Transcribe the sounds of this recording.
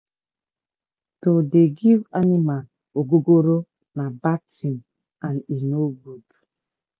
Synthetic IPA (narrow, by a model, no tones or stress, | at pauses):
todeɡivanima | oɡoɡoɾo | nabatim | aninoɡud